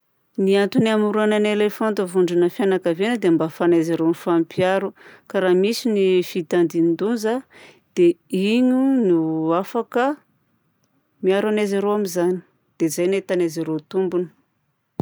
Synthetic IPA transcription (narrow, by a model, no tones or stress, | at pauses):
niant̪unamuɾuananelefant̪əvuɳɖ͡ʐunəfjanakavenəd̪embafanezeɾenifampʰjaɾukaɾamisinifit̪and̪inid̪unza | d̪̥eiɲunuafakə | miaɾanezeɾowamizani̥ | d̪̥ezajnet̪anezeɾot̪umbunə̥